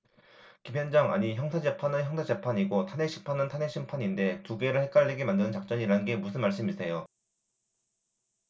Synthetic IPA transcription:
kimjʌnd͡ʑʌŋa̰ɲiçjʌŋsʰad͡ʑe̞pʰanɯnçjʌŋsʰad͡ʑe̞pʰaɲiɡotʰanɦeɕʰi̥pʰanɯntʰane̞ɕʰimpʰaɲinde̞tuɡe̞ɾɯɭhe̞k͈aɭːeɡemandɯnɯnt͡ɕak̚t͡ɕ͈ʌɲiɾanɯnɡe̞musʰɯnmaɭs͈ɯmisʰe̞jo

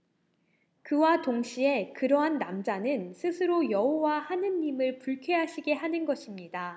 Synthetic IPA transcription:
kɯwatoŋɕʰie̞kɯɾʌɦanːamd͡ʑanɯnsʰɯsʰɯɾojʌɦowahanɯnːimɯɭpuɭkʰeɦaɕʰiɡe̞ɦanɯnɡʌɕʰimɲida

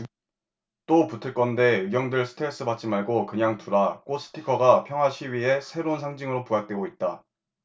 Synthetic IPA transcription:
t͈oputʰɯɭk͈ʌnde̞ɯɡjʌŋdɯɭsʰɯ̥tʰes͈ʰɯbat͡ɕ͈imaɭɡokɯɲaŋtuɾak͈os͈ʰɯ̥tʰikʰʌɡapʰjʌŋɦwaɕʰiɥie̞sʰe̞ɾounsʰaŋd͡ʑiŋɯɾopuak̚t͈we̞ɡoit̚t͈a

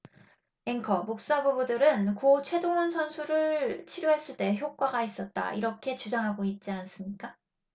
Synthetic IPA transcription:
eŋkʰʌmok̚s͈abubudɯɾɯnkot͡ɕʰwe̞doŋɯnsʰʌnsʰuɾɯɭt͡ɕʰiɾjoɦe̞s͈ɯɭt͈e̞çjok̚k͈aɡais͈ʌt̚t͈a̰ḭɾʌkʰe̞t͡ɕud͡ʑaŋɦaɡoit̚t͡ɕ͈ians͈ɯmɲik͈a

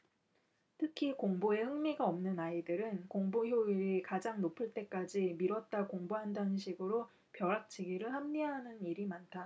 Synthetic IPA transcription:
tʰɯkʰikoŋboe̞hɯŋmiɡaʌmnɯnaidɯɾɯnkoŋboçjoiɾikad͡ʑaŋnopʰɯɭt͈e̞k͈ad͡ʑimiɾwʌt̚t͈akoŋboɦandanɯnɕʰiɡɯɾo | pjʌɾak̚t͡ɕ͈ʰiɡiɾɯɭhamɲiɦanɯniɾimantʰa

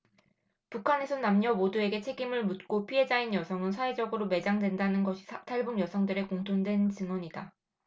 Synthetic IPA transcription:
pukʰane̞sʰʌnamɲʌmodue̞ɡe̞t͡ɕʰe̞ɡimɯɭmut̚k͈opʰiɦe̞d͡ʑainjʌsʰʌŋɯnsʰae̞d͡ʑʌɡɯɾome̞d͡ʑaŋdwe̞ndanɯnɡʌɕʰi̥tʰaɭbuɡjʌsʰʌŋdɯɾe̞koŋtʰondwe̞nt͡ɕɯŋwʌɲida

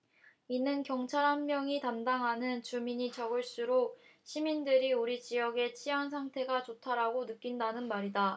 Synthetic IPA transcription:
inɯnkjʌŋt͡ɕʰaɾɦanmjʌŋitamdaŋɦanɯnt͡ɕumiɲit͡ɕʌɡɯɭs͈uɾoɕʰimindɯɾiuɾit͡ɕijʌɡe̞t͡ɕʰijaŋsʰaŋtʰe̞ɡat͡ɕotʰaɾaɡonɯk͈indanɯnmaɾida

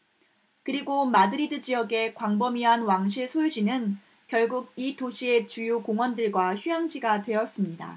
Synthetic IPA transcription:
kɯɾiɡomadɯɾidɯd͡ʑijʌɡe̞kwaŋbʌmiɦanwaŋɕ̬ʰiɭsʰojud͡ʑinɯn | kjʌɭɡuɡ̚itoɕʰie̞t͡ɕujukoŋwʌndɯɭɡwaçujaŋd͡ʑiɡatwe̞ʌs͈ɯmɲida̰

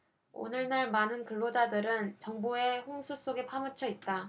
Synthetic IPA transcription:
o̰nɯɭnaɭmanɯnkɯɭːod͡ʑadɯɾɯnt͡ɕʌŋboe̞ɸoŋsʰus͈oɡe̞pʰamɯt͡ɕʰʌit̚t͈a

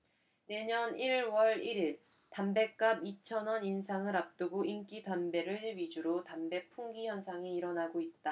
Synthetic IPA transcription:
ne̞ɲʌniɭwʌɾiɾiɭ | tambe̞k̚k͈abit͡ɕʰʌnʌninsʰaŋɯɾap̚t͈ɯɡoimk͈itambe̞ɾɯɥid͡ʑuɾotambe̞pʰuŋɡiçjʌnsʰaŋiːɾʌnaɡoit̚t͈a

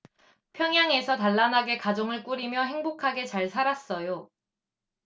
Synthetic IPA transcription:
pʰjʌŋjaŋe̞sʰʌtaɭːanaɡe̞kad͡ʑoŋɯɭk͈uɾimjʌɦe̞ŋbokʰaɡe̞t͡ɕaɭsʰaɾas͈ʌjo

